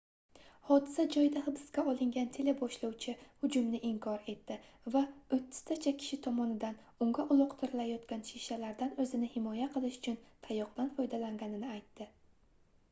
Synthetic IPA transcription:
hɒd̪ɪsad͡ʒɒjd̪ahɨbɪskʲaɒlˠɪŋɡʲant̪ʰe̞lebɒʃlawt͡ʃʰɪhʊd͡ʒʊmnɪʔɪŋkʰɒɾe̞t̪ːɪ | vaɵt̪ʰːɪ̥st̪ʰat͡ʃʰakʲʰɪ̥ʃɪt̪ʰɒmɒnɪd̪an | ʊŋɡaʔʊlˠʊqt̪ʰɪɾɪlajɒt̪kʲanʃiʃalaɾd̪anɵzɪnɪhɪmɒjaqʰɨlˠɪʃʊ̥t͡ʃʰʊnt̪ʰajɒq̚blanfɒjd̪alaŋɡʲanɪnɪajt̪ːɪ

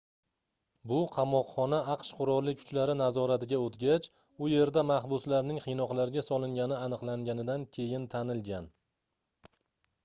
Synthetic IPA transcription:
bʊqʰɑmɒqχɒnaɑqʃqʰʊɾɒlːɪkʰːʊ̥t͡ʃlaɾɪnazɒɾat̪ɪɡʲaot̪ɡʲat͡ʃ | ʊje̞ɾd̪amahbʊslaɾnɪŋqʰɨjnɒqlˠaɾɡʲasɒlˠɪŋɡʲanɪanɨqlˠaŋɡʲanɪd̪ankʲʰe̞jɪnt̪ʰanɪlɡʲan

